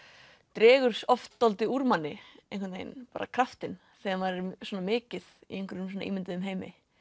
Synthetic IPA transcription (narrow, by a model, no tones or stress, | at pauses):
t̪ɾɛːɣʏɾ̥sɔft̪ːɔlt̪ɪuɾmanːɪejnŋkʰɛtnḛjnpa̰ːɾa̰kʰɾaft̪ɪn | sɛavaɾɛɾswɔːnamɪːcɪðiejŋkʰvɪɾʏms̬ɔna̰ʔiːmɪnt̪ʏðʏmɦeːjmɪ̰